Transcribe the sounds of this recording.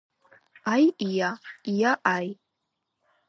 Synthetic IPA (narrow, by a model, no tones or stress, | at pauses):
ajijajaʔaj